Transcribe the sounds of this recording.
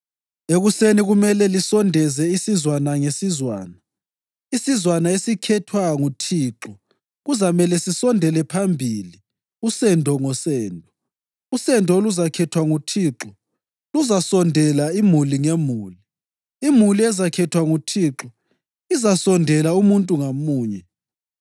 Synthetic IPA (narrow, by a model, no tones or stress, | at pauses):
eɣuseniɣumɛlɛlisɔndʱɛzɛisizwanaŋesizwa̰ːna | isizwanaesikʰɛtʰwaŋutʰiːǁɔ | ɣuzamɛlɛsisɔndʱɛlɛpʰambʱiːli | usɛndʱɔŋɔsɛːndʱɔ | usɛndʱɔoluzakʰɛtʰwaŋutʰiǁɔ | luzasɔndʱɛlaimuliŋemuːli | imuliɛzakʰɛtʰwaŋutʰiǁɔ | izasɔndʱɛlaumuntʼuŋamuːɲɛ